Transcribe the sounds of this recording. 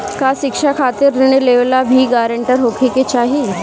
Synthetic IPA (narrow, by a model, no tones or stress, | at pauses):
kaʃɪkʂakʰaːt̪iɾdɪɽ̃eleʋlabʱiːɡaːɾəɳʈəɾɦokʰiket͡ʃaːɦi